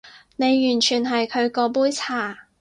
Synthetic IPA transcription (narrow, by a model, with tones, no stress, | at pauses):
ne˨˧jjyː˨˩nt͡ʃʰyː˨˩nɦɐ˨jkʰɵ˨˧ɥkɔː˨˧p̬uː˥jt͡sʰaː˨˩